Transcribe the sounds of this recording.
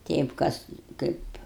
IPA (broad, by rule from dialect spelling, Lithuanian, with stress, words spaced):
ˈtʲɛɪp ˈkɐs ˈkɐɪp